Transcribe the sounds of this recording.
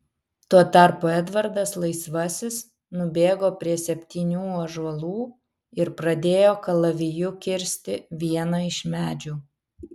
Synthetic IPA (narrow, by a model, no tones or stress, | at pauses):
t̪uɔt̪ɐˑɾpoːɛd̪ʋɐɾd̪ɐslˠɐɪsʋɐsʲɪs | nʊbʲeːɡoːpʲɾʲiɛsʲɛpʲt̪ʲiːnʲuːɐʒɐlˠuː | ɪɾpɾɐd̪ʲeːjoːkɐlˠɐʋʲɪjʊkʲɪɾʲsʲt̪ʲɪʋʲiɛnɐɪʃmʲæːd͡ʒʲuː